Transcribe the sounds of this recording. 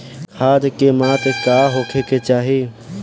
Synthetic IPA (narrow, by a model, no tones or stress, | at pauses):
haːd̪kemaːt̪kaːɦoːkʰeket͡ʃaːɦiː